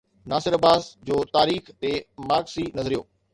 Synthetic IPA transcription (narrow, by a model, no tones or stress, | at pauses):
naːsɪɾɐbaːzd͡ʑoːt̪aːɾiːxt̪emaːɡsinɐzəɾijo̰ː